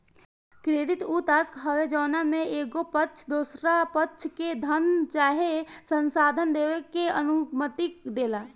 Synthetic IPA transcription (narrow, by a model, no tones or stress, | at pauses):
kɾeːd̪ɪt̪uːt̪aːskɦəʋed͡ʒɔːnamẽeːɡopətːt͡ʃʰd̪oːsɾapətːt͡ʃʰked̪ʱənt͡ʃaːɦesə̃nsaːd̪ʱənd̪eːwekːeənʊmət̪ɪkd̪eːlaː